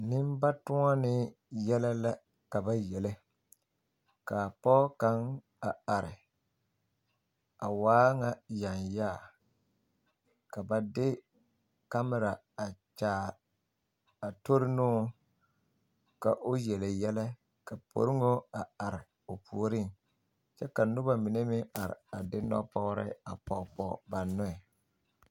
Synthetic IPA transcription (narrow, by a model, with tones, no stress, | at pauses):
nɪ˦mba˦tʊ˦ŋa˦nɪ˦ | jɛ˦la˦la˦ | ka˨ba˦jɛ˨lɪ˦ | ka˨pɔ˦ka˦ŋ | a˨a˨ɾɪ˨ | a˨waː˦ŋa˨ja˨nja˦˨ | ka˨ba˨dɪ˦ | ka˦mɪ˦ɾa˨ | a˨t͡ʃaː˦ | a˨to˦ɾɪ˦nʊː˦ | ka̰˨ʔo˦jɛ˨le˨jɛ˦lɛ˦ | ka˨pʰo̰˨ɾɪ˦ŋo˦a˨a˨ɾɪ˨ | o˨pʰu˨o˦ɾi˦˨ŋ | t͡ʃɛ˦ka˨nʊ˦ba˨mɪ˨ne˦mɪ˦a˨ɾɪ̰˨a˨dɪ˦nɔ̰˦pɔ˦ɾɪ̰˦a˨pɔ˨pɔ̰˨ba˨nːʊ˦ɛ˨